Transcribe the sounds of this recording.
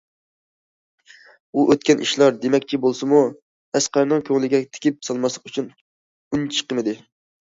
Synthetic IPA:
uʔøt̪̚kʲɛnʔḭʃlˠɑɾd̪emɛkʲt͡ʃʰibolˠsɨmu | æsqæɾnɨŋkʲʰøŋlɪɡʲɛt̪ʰɪ̥kʲip̚sɑlˠmɑslˠə̥qyt͡ʃʰyn | unt͡ʃʰə̥qəmɪd̪ɪ

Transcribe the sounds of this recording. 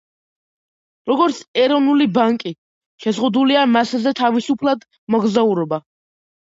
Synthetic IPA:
ɾɔɡɔɾt̪sʰɛɾɔvnulibaŋkʼi | ʃɛzʁud̪uliamaszɛt̪ʰavisupʰlˠad̪ | mɔɡzauɾɔba

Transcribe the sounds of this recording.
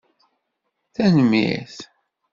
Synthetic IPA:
θænəmːḭθ

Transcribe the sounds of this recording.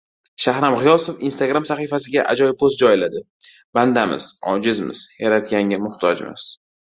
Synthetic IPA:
ʃahɾamʁɪjɒsofinst̪ʰaɡɾamsaχijfasɪɡʲaʔa̰d͡ʒɒjɪpʰost̪̚d͡ʒɒjɪlad̪ɪ | b̥and̪amɪ̰z̥ɒ̰d͡ʒɪzmɪ̰z̥jaɾat̪ɡʲaŋʲamʊht̪ʰɒd͡ʒmɪ̰z̥

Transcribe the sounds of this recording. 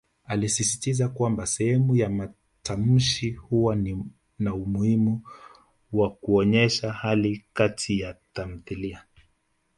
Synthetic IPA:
alisisitizakwambasɛhɛmujama | tʰam̩ʃihuwani | naumuhimu | wakuɔɲɛʃahalikatʰijatam̩θilia

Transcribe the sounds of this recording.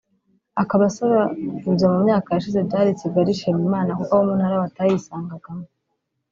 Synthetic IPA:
akaβasaβauvamumɲaːkajaʃize̞bɟaːɾit͡siɡaɾiʃemumaːnakukwawomun̥haɾawatajisaːŋɡaɡamo

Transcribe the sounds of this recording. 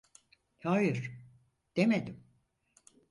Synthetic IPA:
hajiɾ | d̪̥emed̪im

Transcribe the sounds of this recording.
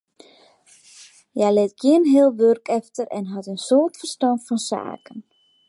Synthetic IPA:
jɛjlɪt̚ɡjɪənɦɪəlˠʋørkɛftərɛ̰nɦɔtənsoːrtfərstɑntfɔnsa̰ːkən

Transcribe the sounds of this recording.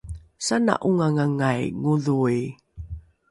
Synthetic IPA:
sana̰ʔuŋaŋaŋajŋuðuj

